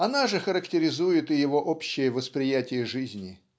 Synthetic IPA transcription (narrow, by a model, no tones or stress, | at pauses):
ɐnaʐɨxəɾəktʲɪɾʲɪzujɪt̪ɪjɪvo̞ʔopɕːɪjəvəspɾʲɪjætʲɪjəʐɨzʲnʲɪ